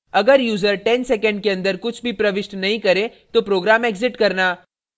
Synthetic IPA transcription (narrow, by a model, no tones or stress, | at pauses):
ɐɡəɾjuːzəɾʈɛ̃nsɛkə̃ɳɖ̚keɐ̃nd̪əɾkʊt͡ʃʰbʱipɾɐʋɪʃʈnɐɦĩkɐɾẽt̪opɾoːɡɾaːmeːɡzɪʈkɐɾnaː